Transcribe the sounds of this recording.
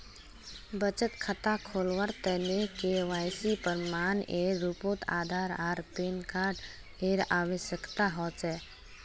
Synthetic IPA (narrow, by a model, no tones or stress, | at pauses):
bət͡ʃət̪kʰət̪akʰoːlʋəɾt̪ɛnekeʋaːjsipəɾmaːneːɾːupoːt̪a̰ːd̪ʱaːɾaːɾpeːnkaːɾɖ | eːɾaːwəʃjəkt̪aɦɔːt͡ʃɛː